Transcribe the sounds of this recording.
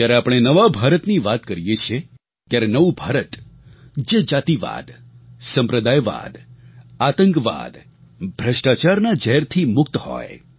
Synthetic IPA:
t̪jaɾeapəɽ̃enəʋabʱaɾət̪niʋat̪kəɾijet͡ʃʰie | t̪jaɾenəʋũbʱaɾət̪ | d͡ʒed͡ʒat̪iʋa̰d̪ | səmpɾəd̪ajʋa̰d̪at̪ə̃ŋkʋa̰d̪ | bʱɾəʃʈat͡ʃaɾnad͡ʒəɦɛɾt̪ʰimʊkt̪hɔ̰j

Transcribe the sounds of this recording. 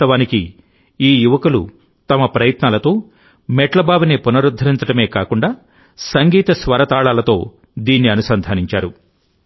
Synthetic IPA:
ɐʋaːniki | iːjuʋɐkulṵ | t̪ɐmɐpɾɐjɐt̪naːlɐt̪o̞ː | mɛʈlɐbaːbnipunɐɾud̪ʱːɐɾint͡sɐɽɐme̞ːkaːkuɳɖaː | sɐŋɡiːt̪ɐsʋɐɾɐt̪aːɭaːlɐt̪o̞ː | d̪iːnːiɐnusɐnd̪ʱaːniɲt͡ʃaːɾu

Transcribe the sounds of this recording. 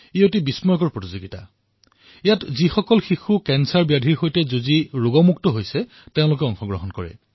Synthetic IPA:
iotibismɔjɔkɔɹpɹotizoɡita̰ | ijatzixɔkɔlxixukɛnsaɹbijadʱiɹxojtɛzoziɹʊɡɔmuktɔɦojsɛ | teʊ̃lʊk̬ɛɔŋxɔɡɹɔɦɔnkɔɹɛ̰

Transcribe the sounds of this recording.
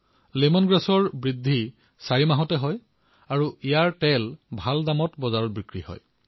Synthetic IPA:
lemɔnɡɹasɔɹbɹidʱːi | saɹimaɦɔtɛɦɔj | aɹuijaɹtɛlbʱaldamɔtbɔzaɹɔtbikɹihɔ̰j

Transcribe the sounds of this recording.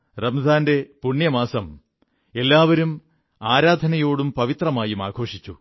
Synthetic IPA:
rɐmzaːnde̞puɳjɐmaːsɐm | e̞lːaːʋɐɾum | aːɾaːd̪ʱɐnɐjo̞ːɽumpɐʋit̪rɐmaːjuma̰ːɡʰʱo̞ːʂit͡ɕːṵ

